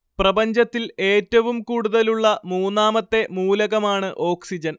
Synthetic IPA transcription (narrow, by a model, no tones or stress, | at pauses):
prɐbɐɲd͡ʑɐt̪ːile̞ːtːɐʋumkuːɽuðɐluɭːɐmuːnːaːmɐt̪ːe̞muːlɐɣɐmaːɳɨʔo̞ːksid͡ʑɐn